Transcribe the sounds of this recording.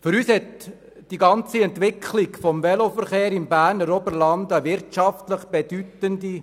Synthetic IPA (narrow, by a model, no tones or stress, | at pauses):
fʏɾyːshɛt | d̥iɡɑnt͡siɛnt̪ʋɪkʰlɪɡfɔmʋɛlofəɾχeːɾɪmbæːɾnəɾɔbəɾlɑndəʋɪɾtʃɑftləχb̥ed̥ytəndi